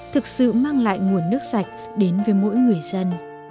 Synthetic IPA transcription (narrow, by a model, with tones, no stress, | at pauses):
t̪ʰɨ˨˩k̚sɨ̰˧˨maː˧ŋla̰ː˧˨jŋu˨˩ənːɨ˦˥ək̚sa˨˩jk̟̚ | ɗe˨˦nvəː˨˦jmo̰˧˥jŋɨ˨˩əjzə˧n